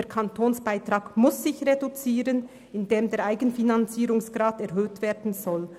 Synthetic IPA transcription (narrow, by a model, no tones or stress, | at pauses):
eɾkʰɑntʰoːnsb̥aɪtʁɑːɡmʊsːɪçʁedut͡siːɾən | ɪndeːmdeːɾʁʔaɪɡənfinɑnt͡siːɾʊŋsɡ̥ʁɑːtɛʁɦøːtv̥eːdn̩zɔl